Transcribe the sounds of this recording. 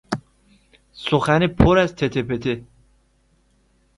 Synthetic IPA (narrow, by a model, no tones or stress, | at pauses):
soxænipʰoɾæzt̪ʰet̪ʰepʰet̪ʰe